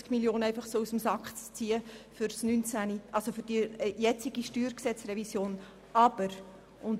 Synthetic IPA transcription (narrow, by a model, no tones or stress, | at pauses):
kmiljoːnəɛɪfɑχsoːusəmsɑkχt͡st͡siːəfʏɾsnynt͡sæniʔɑlsofʏɾd̥iəjɛt͡sɪɡiʃtyːɾksɛt͡srɛvisjoːn | ɑb̥əɾ | ʔʊn